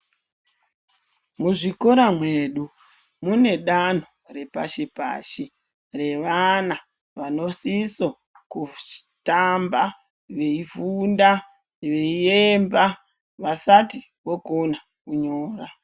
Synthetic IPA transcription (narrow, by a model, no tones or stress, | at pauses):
muʐikoɾamwe̞ɗu | mune̞ɗan̤ore̞pa̰ʃepa̰ːʃe | re̞ʋana | ʋano̞siso̞ | ku̥tamba | ʋe̞ivunda | ʋe̞iemba | ʋasati | ʋo̞kona | kuɲo̞ːra